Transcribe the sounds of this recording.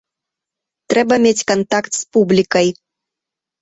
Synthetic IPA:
t̪ɾɛbɐmʲet͡sʲkant̪akt̪spublʲikɐj

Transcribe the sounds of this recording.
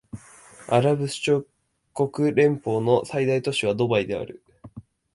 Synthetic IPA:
aɾabɯ̟sɨ̥t͡ɕo | ko̞kɯ̟ɾẽ̞mpo̞ːno̞said̪ait̪o̞ɕiβ̞ad̪o̞baid̪e̞a̰ɾɯ̟

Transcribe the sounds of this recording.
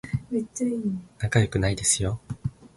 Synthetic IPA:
metːainakajo̞kɯ̟naid̪e̞sɨjo̞

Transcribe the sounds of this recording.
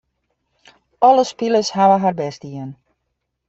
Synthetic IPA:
ɔləspiləshaʋəɦarbɛsdiən

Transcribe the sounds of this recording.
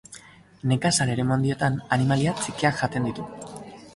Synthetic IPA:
ne̞kasale̞ɾe̞mo̞nd̪ie̞t̪ananimaliat͡sikiakʝat̪e̞nd̪it̪u

